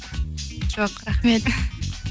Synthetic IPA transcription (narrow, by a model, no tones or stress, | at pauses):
d͡ʒoqɾaχmet̪